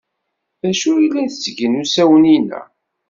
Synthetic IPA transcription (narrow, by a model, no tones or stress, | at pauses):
ðæʃuilːænθət͡sːɡənusæwəninæ̰